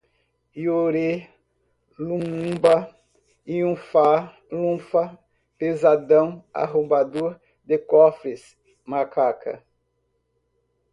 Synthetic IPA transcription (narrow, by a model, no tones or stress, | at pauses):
ioɾe | lũbɐ | iũfa | lũfɐ | pezad̪ɐ̃w̃a̰ɦõbad̪oɾ | d̪ɪkɔfɾɪs | makakʰɐ̰